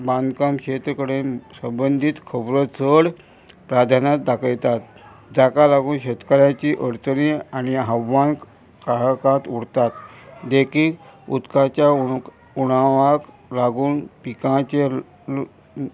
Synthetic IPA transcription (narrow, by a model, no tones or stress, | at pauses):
bãnd̪kamkɕet̪ɾəkəɽesəmbənd̪ʱiːt̪kʰəbɾət͡səɽ | pɾad̪ʱanat̪d̪akʰəjt̪at̪̚ | d͡zakalaɡuːnɕet̪kaɾjãt͡ɕiːʔəɾt͡səniañiɦaʋːank | kaɭkãt̪uɽt̪at̪d̪ekʰiːkṵd̪kat͡ɕja | uɽ̃aʋak | laɡuːnpikãt͡ɕe